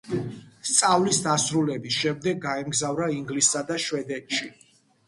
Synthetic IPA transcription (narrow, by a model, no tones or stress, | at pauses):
st̪sʼavlisd̪asɾulɛbisʃɛmd̪ɛɡːaɛmɡzavɾaiŋɡlisːad̪aʃwɛd̪ɛt̪ʃi